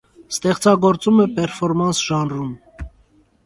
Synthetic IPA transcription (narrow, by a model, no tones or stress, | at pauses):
st̪ɛχt͡sɑɡɔɾt͡sumɛpɛɾfɔɾmɑnsʒɑnrum